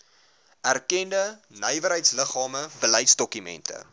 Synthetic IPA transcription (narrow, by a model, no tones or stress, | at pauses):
ærkɛndənœjvəɾɦəjtsləχɑːməbələjtsdɔkymɛ̰ntʰə̰